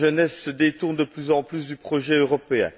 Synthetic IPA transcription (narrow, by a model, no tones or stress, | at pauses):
ʒənɛsːəd̪et̪uʁnd̪əplyzɑ̃plysd̪ypχɔʒɛøʁɔpeɛ̰̃